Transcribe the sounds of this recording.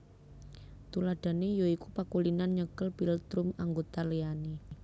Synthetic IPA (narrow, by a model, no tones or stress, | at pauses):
t̪ulaɖ̥a̤nejoikupakulinanɲəkəlbilt̪ɾʊmaŋɡot̪aleani